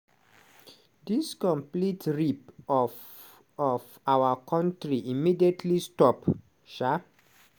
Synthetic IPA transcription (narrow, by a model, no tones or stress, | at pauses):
diskɔ̃mplitɹipɔf | ɔf | awakʰɔ̃ntɹiʔimidietʰlistɔp | ʃa